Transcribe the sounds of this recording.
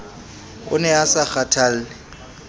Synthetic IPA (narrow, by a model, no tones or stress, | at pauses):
ʊ̰nɛasak͡xatʰal̩ɪ